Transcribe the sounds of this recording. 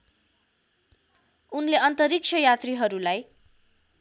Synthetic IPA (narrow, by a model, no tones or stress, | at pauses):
unleʌnt̪ʌɾik̚t͡sʰʌjat̪riɦʌɾulaj